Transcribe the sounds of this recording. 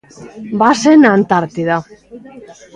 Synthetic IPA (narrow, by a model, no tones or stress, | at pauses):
basenant̪aɾt̪iða